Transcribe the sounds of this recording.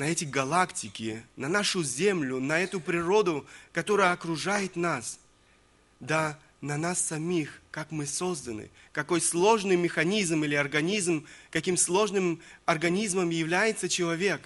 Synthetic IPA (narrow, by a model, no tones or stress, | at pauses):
nɐɛtʲɪɡɐlˠaktʲɪkʲɪnɐnaʂʊzʲemlʲʊnɐɛt̪ʊpɾʲɪɾo̞d̪ʊkɐt̪o̞ɾəjəɐkɾʊʐajɪt̪nas | d̪a | nɐnasːɐmʲixkakmɨso̞zd̪ənɨ̰ | kɐko̞jslˠo̞ʐnɨjmʲɪxɐnʲizmilʲɪɐrɡɐnʲizmkɐkʲimslˠo̞ʐnɨmɐrɡɐnʲizməmjɪvlʲæjɪt̪sət͡ɕɪlˠɐvʲe̞k